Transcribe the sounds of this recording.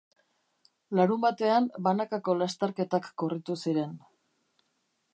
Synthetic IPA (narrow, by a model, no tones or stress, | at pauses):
laɾumbat̪e̞ambanakako̞last̪eɾke̞t̪akːorit̪usiɾe̞n